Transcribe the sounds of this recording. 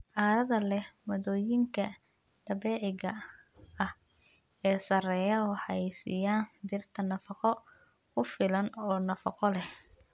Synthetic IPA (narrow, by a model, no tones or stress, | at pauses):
ʕaːɾɐðɐlɛhmɔðɔːjɪŋkʰɐ | ɖ̥ɐβɛːʕɪɣɐ | ɐh | ɛːsɐrɛːjɐwɑħɑ̰ɛjsḭːjaːnd̪ɪrt̪ʰɐnɐfɑqɔ | kʊfɪlɐnɔːnɐfɑqɔlɛh